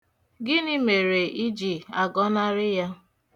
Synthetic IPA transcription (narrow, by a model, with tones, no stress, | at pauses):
ɡɪ˦nɪ˦me˨ɾe˨ʔi˦d͡ʒi˨a˨ɡɔ˦na˦ɾɪ˦ja˦